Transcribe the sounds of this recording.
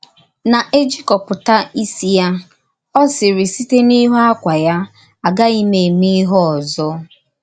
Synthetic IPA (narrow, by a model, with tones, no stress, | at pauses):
na˨ʔe˦d͡ʒi˦kɔ˨pʊ˨ta˦i˦si˨ja˦ | ɔ˦sɪ˨ɾɪ˨si˦te˦ni˦ɦo˦a˦kʷa˨ja˦ | a˨ɡa˦i˦me˨mi˦ɦɔ˦ɔ˨zɔ˦